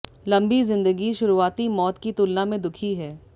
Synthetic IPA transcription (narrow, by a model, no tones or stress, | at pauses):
lɐ̃mbizɪ̃nd̪əɡiʃʊɾuaːt̪imɔːt̪kit̪ʊlnamẽd̪ʊkʰiɦɛː